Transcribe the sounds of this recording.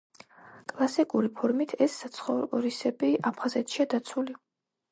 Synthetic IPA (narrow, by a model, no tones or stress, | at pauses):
kʼlˠasikʼuɾipʰɔɾmit̪ʰɛsːat̪sʰχɔvɔɾisɛbiʔapʰχazɛt̪ʰʃiad̪at̪sʰuli